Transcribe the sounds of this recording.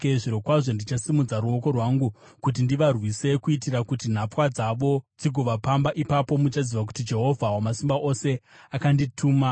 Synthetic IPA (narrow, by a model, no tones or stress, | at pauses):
ʐiɾo̞kwaʐo̞ndit͡ʃasimud͡zaɾuo̞ko̞rwaŋɡu | kut̬indiʋarwise̞kuitiɾakutin̤ap͡fwad͡zaʋo̞d͡ziɡʱoʋapambaʔipapo̞mut͡ʃaziʋak̬u̥tid͡ʒe̞ɦo̞vʱawamasimbaʔo̞se̞ | akanditʰuːma